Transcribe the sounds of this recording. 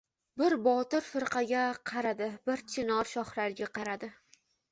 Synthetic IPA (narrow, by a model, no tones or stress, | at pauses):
bɪɾbɒt̪ɪɾfɪɾqʰɑɡʲaqʰɑɾad̪ɪbɪɾt͡ʃ̪ʰɪnɒɾʃɒχɾaɾɡʲaqʰɑɾad̪ɪ